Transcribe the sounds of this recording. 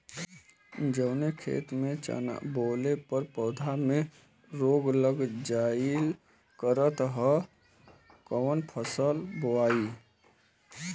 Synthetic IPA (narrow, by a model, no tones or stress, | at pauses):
d͡ʒəʊnekʰḛːt̪mẽt͡ʃa̰na̰boːlepəɾpɔːd̪ʱamẽ | ɾoːɡləɡd͡ʒaːɪl | kəɾət̪ɦə | kɔːnpʰəsəlboaːi